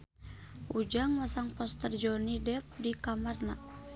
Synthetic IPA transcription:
ʔud͡ʒaŋwasaŋpɔst̪ərd͡ʒɔnidɛp̚dikamarna

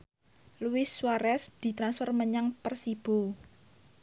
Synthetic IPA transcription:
luɪswaɾɛsd̪̥i̤t̪ɾansfɔrməɲaŋpərsib̥o

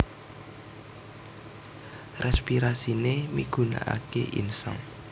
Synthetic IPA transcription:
rɛspiɾasinemiɡ̥ṳna̰ʔakeʔḭnsa̰ŋ

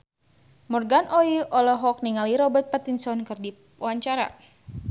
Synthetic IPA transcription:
mɔrɡanʔɔiʔɔlɔɦɔk̚niŋaliɾɔbət̪̚pat̪insɔnkɨrdi | waɲt͡ʃaɾa̰

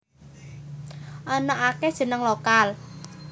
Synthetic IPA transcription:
ʔɔnɔʔaked̥ʒ̥ə̤nəŋlokal

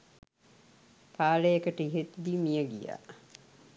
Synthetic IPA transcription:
pʰaːlejekəʈəiɦet̪d̪iːmijəɡḭja̰ː

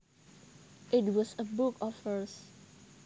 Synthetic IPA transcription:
ʔɪtwɔsəbʊkʰɔfə˞s

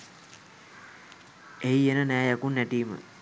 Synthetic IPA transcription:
ejenənæːjakunːɛʈiːmə̰

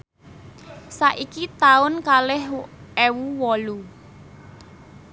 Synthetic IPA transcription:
saʔikit̪aʊnkalɪhɛwuwɔlu

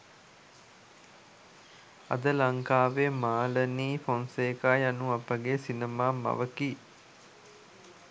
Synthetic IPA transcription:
a̰d̪əlaŋkaːʋemaːləniːfonseːkaːjanuapəɡesinemaːma̰ʋəki

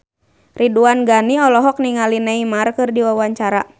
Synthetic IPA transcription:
riduanɡaniɔlɔɦɔk̚niŋalinɛimarkɨrdiwawaɲt͡ʃaɾa

